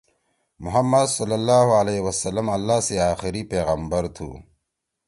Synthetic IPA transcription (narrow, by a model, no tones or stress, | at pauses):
mʊɦɐmːɐd̪sɐlːɐlːaːhuɐleːwɐsɐlːɐmɐlːaːseaːxɪɾipeːɣɐmbɐɾt̪ʰṵː